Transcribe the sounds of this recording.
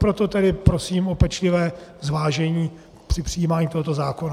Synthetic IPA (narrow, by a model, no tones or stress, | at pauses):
pɾot̪o̞t̪ɛdɪpɾosiːmo̞pɛt͡ʃlɪvɛːzvaːʒɛɲiː | pr̥ɪpr̥ɪjiːmaːɲiːt̪oɦot̪o̞zaːkona